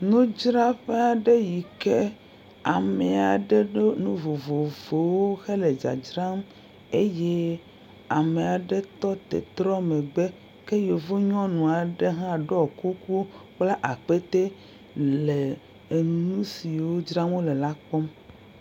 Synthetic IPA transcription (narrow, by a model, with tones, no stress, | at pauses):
nũ˦d͡ʒɾa˦ɸe˦a˨ɖe˦ji˨ke˦ | a˨me˨a˨ɖe˦ɖo˦nũ˦vo˨vo˨vo˨wo˦xe˦le˨d͡ʒa̰˨d͡ʒɾa˦m | e˦je˦ | a˨me˨a˨ɖe˦t̪ɔ˦t̪ḛ˨t̪ɾɔ˦me˨ɡ͡be˦ | ke˦jo˨vo˦ɲɔ̃˦nũ˨a˨ɖe˦ɦã˦˨ɖɔ˦˨ku˦ku˦k͡pla˦ʔa˨k͡pe˦t̪e˦ | le˨ | e˨nũ˦si˨wo˦d͡ʒɾa˦m˦wo˦le˨la˦k͡pɔ˦m